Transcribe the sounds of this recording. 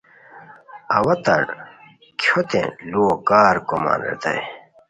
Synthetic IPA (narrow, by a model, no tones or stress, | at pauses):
ɐwɐt̪ɐɽ | kʰot̪ḛ̃luokaːɾkoma̰nḛt̪ɐ̰j